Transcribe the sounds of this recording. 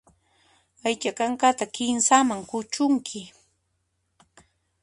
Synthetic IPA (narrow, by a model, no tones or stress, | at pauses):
ajt͡ʃakaŋkat̪akɪnsamaŋkʊt͡ʃʊŋkʰɪ